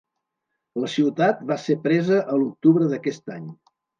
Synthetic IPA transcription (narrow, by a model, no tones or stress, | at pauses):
ləsiwt̪at̪̚basepɾɛzəʔəluk̚t̪uβɾəðəkɛst̪aɲ